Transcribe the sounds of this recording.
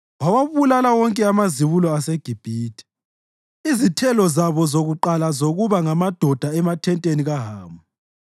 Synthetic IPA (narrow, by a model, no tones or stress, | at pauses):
wawaβulalawɔŋkʼɛamaziβulɔaseɡ̥ʱib̥ʱiːtʰʼi̥ | izitʰɛlɔzaβɔzoɣuǃalazoɣuβaŋamad̥ʱɔd̥ʱaɛmatʰɛntʼeniɣaɦaːmu